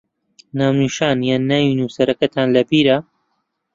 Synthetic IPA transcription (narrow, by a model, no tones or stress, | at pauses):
naːwniʃaːnjaːnːaːjinuːsɐɾɐkɐt̪ʰaːnlɐbiːɾɐ